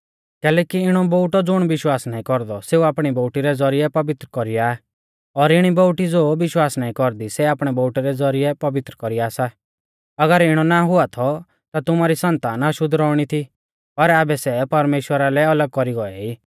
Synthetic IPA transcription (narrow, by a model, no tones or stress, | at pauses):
kɛːlɛːkiɪɽ̃ɔbɔʊʈɔd͡zʊɽ̃bɪʃwaːsnaːĩkɔɾd̪ɔseːuaːpɽ̃ibɔːʈiɾɛd͡zɔɾijɛpɐʋɪt̪ɾəkɔɾiaː | ɔɾɪɽ̃ibɔʊʈid͡zoːʋɪʃwaːsnaːĩkɔɾd̪isɛaːpɽ̃ɛbɔʊʈɛɾɛd͡zɔɾɪjɛpɐʋɪt̪ɾəkɔɾiaːsa | ɐɡəɾɪɽ̃ɔnaɦʊat̪ʰɔ | t̪at̪ʊmaɾisɐ̃nt̪aːnɐʃʊd̪ʱɾɔːɽ̃it̪ʰi | pɐɾaːbɛsɛpɐɾmeːʃwəɾalɛɐləɡ̚kɔɾiɡɔɛiː